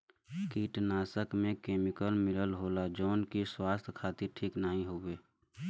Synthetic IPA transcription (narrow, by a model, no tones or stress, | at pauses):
kiːʈnaːsəkmẽkeːmɪkəlmɪləlɦoːlad͡ʒoːnkiswaːst̪ʰkʰaːt̪iɾʈʰiːknəɦĩɦuweː